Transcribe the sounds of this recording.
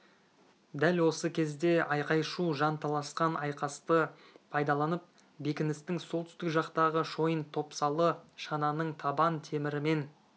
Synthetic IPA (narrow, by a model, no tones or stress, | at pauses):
d̪ælwo̞səkʲʰe̞zd̪e̞ɑjqɑjʃuʒɑnt̪ʰɑlˠɑsqɑnʔɑjqɑst̪ə | pʰɑjd̪ɑlˠɑnəp̚ | be̞kʲɪnɪst̪ɪŋsolˠt̪ʏst̪ɪkʒɑqt̪ɑʁəʃo̞jənt̪ʰo̞psɑlˠəʃɑnɑnəɴt̪ʰɑbɑnt̪ʰe̞mɪɾɪme̞n